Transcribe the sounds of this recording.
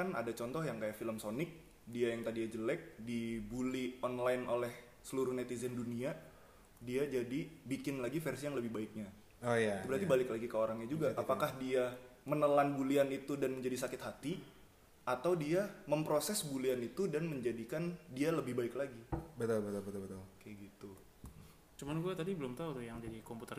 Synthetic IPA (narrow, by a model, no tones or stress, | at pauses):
ana̰dat͡ʃɔnt̪ɔhjaŋkajaʔfiləmsonɪk̚ | diajaŋt̪adijad͡ʒəlɛk̚dibuliɔnlaɪnolɛh | səluɾʊuhnɛt̪izɛndunia | diad͡ʒadibikɪnlaɡifɛrsijaŋləbɪhbaɪk̚ɲa | ojabəɾat̪ibalɪklaɡikəoɾaŋɲad͡ʒuɡaʔapakahdiamənəlanbulianit̪udanməɲd͡ʒadisakɪt̪ɦat̪i | at̪awdiaməmpɾosɛsbulianit̪udanməɲd͡ʒadikandialəbɪhbaɪklaɡibət̪abt̪ɔlbət̪ɔbət̪akaɡit̪u | t͡ʃumanɡuat̪adibəlʊmt̪aut̪ujaŋd͡ʒadikomput̪ər